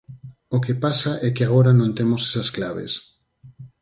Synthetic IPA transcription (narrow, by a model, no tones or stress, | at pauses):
okepasaʔɛkɪaɣoɾanõnt̪emosɛsasklaβḛs